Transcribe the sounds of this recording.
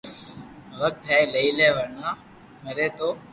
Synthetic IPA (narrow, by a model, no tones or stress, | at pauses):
ʋək̚t̪ɛːləiːleːʋənãː | məɾeːt̪oː